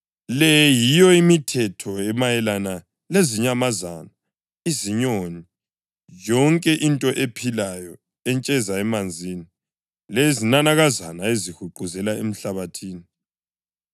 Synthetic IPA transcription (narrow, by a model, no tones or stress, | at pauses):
lɛjijɔimitʰɛtʰɔɛmajɛlana | leziɲamaza̰na | iziɲoni | jɔŋkʼɛʔintʼɔʔepʰilajɔ | ɛnt͡ʃʼɛzaɛmand͡zʱiːni | lezinanaɣazanaezihuǃuzɛlaem̩ɬaβatʰiːni